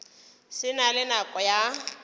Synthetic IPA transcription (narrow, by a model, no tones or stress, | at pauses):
sɪnalɪnakʼɔja